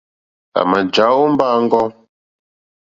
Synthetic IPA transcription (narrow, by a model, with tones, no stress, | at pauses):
a̰˨ma˨d͡ʒa˨˦o˦m˦ba˦ŋ̩˦ɡɔ˦